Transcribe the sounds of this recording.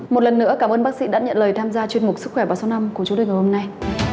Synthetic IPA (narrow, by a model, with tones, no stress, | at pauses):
mo˨˩t̚lə˨˩nːɨ̰˧˥əkaː˧˩mʔəː˧nɓaː˦˥k̚sḭ˧˥ɗa̰ː˧˥ɲə̰˧˨nləː˨˩jt̪ʰaː˧mzaː˧t͡ɕwi˧ənmʊ˨˩k̚sɨ˦˥k̚xwɛ˧˩vaː˨˩sa˨˦na˧mku˧˩ət͡ɕʊ˨˦toː˧jŋ˨˩ho˧mna˧j